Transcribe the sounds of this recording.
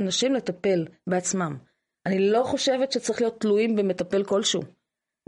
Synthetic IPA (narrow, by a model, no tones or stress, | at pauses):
naʃimle̞t̪ape̞lbeat͡smam | ʔanilo̞χo̞ʃe̞vetʃet͡saʁiχlijo̞t̪ːluimbeme̞t̪ape̞lko̞lʃṵ